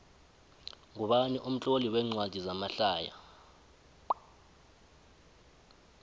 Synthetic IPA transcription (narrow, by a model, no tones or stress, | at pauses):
ŋuɓaniʔum̩t͡ɬʼoliwɛŋ͡ǀwad̥ʱizamaɬaːja̰